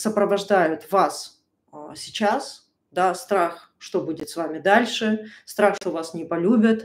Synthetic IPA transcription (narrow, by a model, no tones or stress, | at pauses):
səpɾəvɐʐd̪ajʊt̪vas | sʲɪt͡ɕas | d̪ast̪ɾax | ʂt̪o̞budʲɪt̪svamʲɪd̪alʲʂɨst̪ɾaxʂt̪ovasnʲɪpɐlʲubʲɪt̪